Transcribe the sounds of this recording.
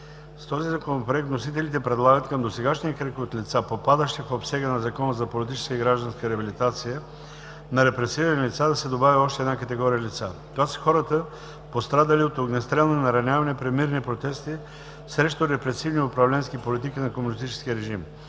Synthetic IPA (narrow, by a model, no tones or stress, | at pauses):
st̪ɔzizɐkonopɾoɛk̚t̪nosit̪ɛlit̪ɛpɾɛd̪lˠaɡət̪kɐmd̪osɛɡaʃnijəkɾɛkot̪lit̪sapopad̪əʃt̪ipopsɛɡənɐzɐkɔnəzɐpolit̪it͡ʃɛ̥skəiɡɾaʒd̪ɐnskəɾɛɐbilit̪at̪sijə | nɐɾɛpɾɛsiɾənilʲit̪sad̪ɐsɛd̪obaviɔʃt̪ɛːd̪nakət̪ɛɡɔɾijəlit̪sat̪ovasɛ̥xɔɾət̪ə | post̪ɾad̪əliot̪oɡnɛst̪ɾɛlˠnnɐɾɐnʲavɐnɛpɾɛd̪miɾnipɾot̪ɛst̪i | sɾɛʃt̪oɾɛpɾɛsivniʊpɾɐvlɛnskipolit̪ikinɐkomunist̪it͡ʃɛ̥skʲiəɾɛʒim